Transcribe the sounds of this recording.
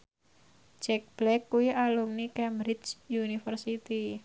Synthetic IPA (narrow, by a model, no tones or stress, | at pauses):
d͡ʒɛk̚b̥lɛkːuiʔalumnikɛmbɾit͡ʃjunifərsit̪i